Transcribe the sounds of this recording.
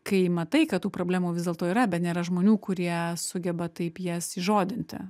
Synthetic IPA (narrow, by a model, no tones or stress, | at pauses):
kɐɪmɐt̪ɐɪkɐtt̪uːpɾoːblʲæːmuːʋʲɪzd̪ʲeːlˠt̪oːiːɾɐbʲɛt̪nʲeːɾɐʒmoːnʲuːkʊɾʲiɛsʊɡʲɛbɐt̪ɐɪpjiɛsiʒoːd̪ʲɪnʲt̪ʲɪ̰